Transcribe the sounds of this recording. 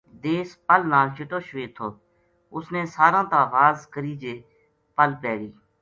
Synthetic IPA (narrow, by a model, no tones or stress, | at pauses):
d̪eːspəlnaːlt͡ʃʰɪʈoːʃʋeːt̪ʰoː | ʊsnẽːsaːɾãːt̪ãːʋaːzkəɾiːd͡ʒeː | pəlpɛːɡiː